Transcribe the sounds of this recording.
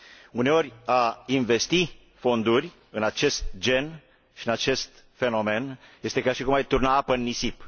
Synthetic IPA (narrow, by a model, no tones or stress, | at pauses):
une̞o̞ɾʲainve̞st̪i | fo̞nd̪urʲ | ɨnat͡ʃe̞st̪̚d͡ʒe̞n | ʃiɨnat͡ʃe̞st̪ | fe̞no̞me̞nje̞st̪e̞kʲjʲarʃikumajt̪urnaapəɨnːisip